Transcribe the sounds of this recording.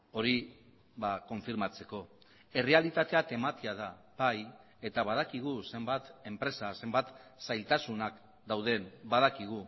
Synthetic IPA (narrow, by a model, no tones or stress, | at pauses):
o̞ɾi | βako̞ɱfiɾmat͡se̞ko̞ | e̞re̞alit̪at̪e̞at̪e̞mat̪iaða | baj | e̞t̪aβað̞akiɣ̞use̞mbat̪e̞mpɾe̞sase̞mbat̪sajlt̪asunak | d̪awð̞e̞nbaðakiɣ̞u